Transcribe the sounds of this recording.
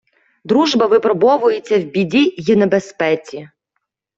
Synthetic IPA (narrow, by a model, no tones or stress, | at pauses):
d̪ɾuʒbɐʋɪpɾɔbɔʋʊjet͡sʲːɐwbʲidʲijinɐbespɛt͡sʲi